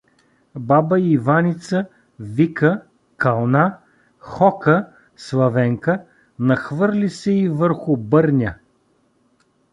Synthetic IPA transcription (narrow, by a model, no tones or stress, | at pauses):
babəivanit̪sə | vikə | kɐlˠna | xɔkə | slˠɐvɛŋkə | nɐxvɤɾlʲisɛivəɾxʊbɤɾnʲə